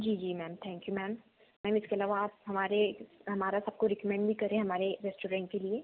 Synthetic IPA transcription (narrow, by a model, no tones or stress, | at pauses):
d͡ʒiːd͡ʒiːmɛːmt̪ʰɛ̃ːŋkjumɛːm | mɛːmɪskeɐlaːʋaːp̚ɦɐmaːɾeɦɐmaːɾasɐb̚koɾɪkəmɛ̃ɳɖbʱikɐɾẽɦẽɦɐmaːɾeɾɛːsʈoːɾɛ̃ːʈ̚kelie